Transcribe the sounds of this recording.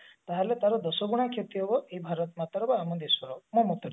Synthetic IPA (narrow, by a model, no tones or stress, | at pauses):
t̪aɦalet̪aɾɔd̪ɔsɔɡuɽ̃akʰjet̪iɦɔbɔeibʱaɾɔt̪mat̪ɔɾɔbɔamɔnd̪iswɔɾɔmũmut̪